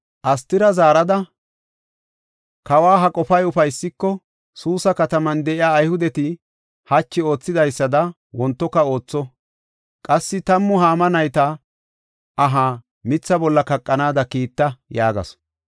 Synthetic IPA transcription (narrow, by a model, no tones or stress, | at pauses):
ʔɐs̬t̪ɪɾɐzaːɾɐd̪ɐ | kɐwaːɦɐkʼɔfɐjʊfɐjsːɪkːɔ | suːsɐkɐt̪ɐmɐnd̪ɛʔɪjaːjhʊd̪ɛt̪ɪ | hɐt͡ʃːɪo̞ːt͡sːɪd̪ɐjsːɐd̪ɐ | wɔnt̪ːɔkːɐo̞ːt͡sːɔ | kʼɐsːɪt̪ɐmːʊɦaːmɐnɐjt̪ɐ | ʔɐɦa | mɪt͡sːɐbɔlːɐkɐkʼːɐnaːd̪ɐkiːt̪ːɐjaːɡɐ̰s